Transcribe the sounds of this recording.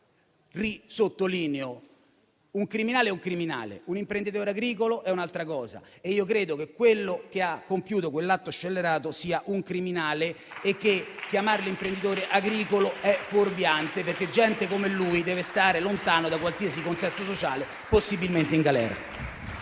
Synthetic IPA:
risot̪ːoliːneo | uŋkɾiminaːleɛuŋkɾimina̰ːlḛunimpɾend̪it̪̬oːɾeaɡɾiːkoloʔɛunalt̪ɾakɔːza̰eiːokɾeːd̪okekːwelːok̟eakːompjuːt̪okwelːat̪ːoat͡ʃːelːeɾaːt̪osiːaʔuŋkɾiminaːleː | k̟ːekːjamaɾelimpɾend̪it̪oːɾeʔaɡɾiːkoloɛforbjant̪eperk̟ːed͡ʒːɛnt̪ekomelːuid̪ɛːvest̪aːɾelont̪aːnod̪akwalsiːasikonsɛst̪osot͡ʃaːle | posːibilment̪eiŋɡalɛ̰ːɾa̰

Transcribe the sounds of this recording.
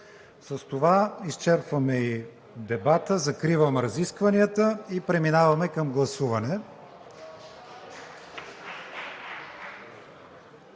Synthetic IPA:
sɐst̪ovaist͡ʃɛɾpvɐmɛi | d̪ɛbat̪əzɐkɾivəmɾɐziskvɐniət̪əipɾɛminavɐmɛkɐmɡlˠɐsuvɐnɛ

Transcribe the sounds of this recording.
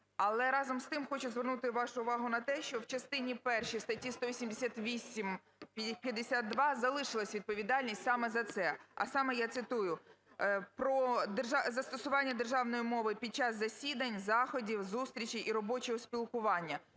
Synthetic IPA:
ɐlˠɛɾɑzɔmst̪ɪmxɔt͡ʃʊzʋernut̪ɪʋɑʃʊʊʋɑɦʊnɐt̪ɛʃt͡ʃɔwt͡ʃɐst̪ɪnʲipɛrʃijst̪ɐtʲist̪ɔʋʲisʲimd̪esʲat̪ʋʲisʲim | pʲjɐd̪esʲat̪̚d̪ʋɑzɐlˠɪʃɪlˠɐsʲʋʲid̪̚pɔʋʲid̪ɑlʲnʲisʲtʲsɑmɛzɐt̪sɛɐ̰sɑmɛjat̪sɪt̪ujʊ | pɾɔd̪ʒɑzɐst̪ɔsʊʋɑnʲːɐd̪erʒɑwnɔjimɔʋɪpʲid̪̚t͡ʃɑzːɐsʲid̪ɐnʲzɑxɔdʲiwzust̪ʲɾʲit͡ʃiʔiɾɔbɔt͡ʃɔɦɔsʲpʲilˠkʊʋɑnʲːɐ

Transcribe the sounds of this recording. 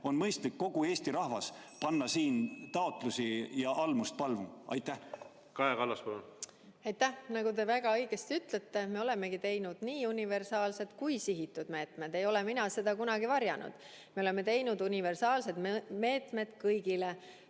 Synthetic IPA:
o̞nmɤjst̪likːo̞ɡ̥ue̞ːsʲt̪iɾɑhvɑspɑnːɑsiːnt̪ɑot̪ˑlusijɑʔɑlmust̪̚pɑlvumɑ̰jt̪ːˑæh | kɑekɑlːɑspɑlon | ɑjt̪ːˑæhnɑɡut̪e̞væɡ̥ɑɤjɡ̥est̪yt̪ˑlet̪ːe̞meo̞le̞me̞ɡ̥it̪e̞jnud̪̥niːunive̞rsɑːlse̞t̪kujsiɦit̪ːˑud̪̥me̞ːt̪me̞d̪̥e̞jo̞leminɑse̞d̪ɑkunɑɡivɑɾjɑnṵd̪̥ | me̞o̞leme̞t̪e̞jnud̪unive̞rsɑːlse̞d̪me̞ːt̪me̞d̪̥kɤjɡile

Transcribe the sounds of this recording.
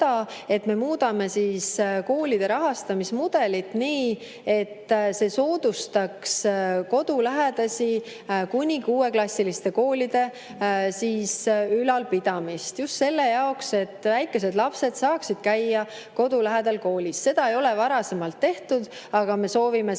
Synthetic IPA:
ɑe̞t̪me̞muːd̪̥ɑme̞siːsko̞ːlid̪̥e̞ɾɑɦɑst̪ɑmismud̪̥e̞lit̪niː | e̞t̪ːse̞so̞ːd̪ust̪ɑksko̞d̪̥ulæɦed̪̥ɑsʲi | kunʲikuːe̞klɑsʲːilist̪e̞ko̞ːlid̪̥e̞ | siːsylɑlpid̪̥ɑmist̪just̪se̞lːe̞jɑokse̞t̪ːˑvæjkːˑe̞s̬e̞d̪lɑpse̞d̪̥sɑːksid̪̥̚kæjːɑ | ko̞d̪ulæɦed̪̥ɑlko̞ːlisːe̞d̪̥ɑe̞jo̞le̞vɑɾɑse̞mɑlt̪ːe̞ht̪ud̪̥ɑɡ̥ɑme̞so̞ːvime

